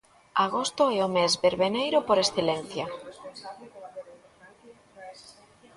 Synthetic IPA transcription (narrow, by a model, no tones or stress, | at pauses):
aɣost̪oɛomezβeɾβenejɾopoɾesθelenθja